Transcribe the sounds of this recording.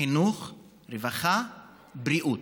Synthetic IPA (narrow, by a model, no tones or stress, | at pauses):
inuχ | ɾevaχa | bɾiʔut